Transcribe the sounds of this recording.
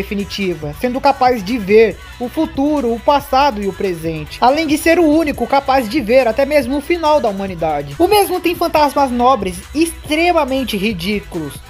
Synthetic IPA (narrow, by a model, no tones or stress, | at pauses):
efinit͡ʃivɐsẽnd̪ʊkapazd͡ʒɪveɾ | ʊfut̪uɾʊːpasad̪ʊɪʊpɾezẽnt͡ʃɪ̥alẽj̃d͡ʒɪseɾʊũnikʊkapazd͡ʒɪveɾat̪ɛmezmʊʊfinawd̪ɐumɐ̃nid̪ad͡ʒɪʊmezmʊt̪ẽj̃fɐ̃nt̪azmɐznɔbɾɪzɪst̪ɾemɐmẽnt͡ʃɪhid͡ʒikulʊs